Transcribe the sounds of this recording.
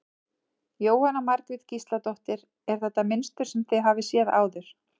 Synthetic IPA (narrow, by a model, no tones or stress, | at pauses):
joːwhanamaɾkvɪð̥cist̪lat̪ɔht̪ɪɾ | ɛɾ̥θɛht̪ːamɪnst̪ʏɾ̥sɛmθɪðɦaːvɪsjɛða̰ːwðʏɾ̥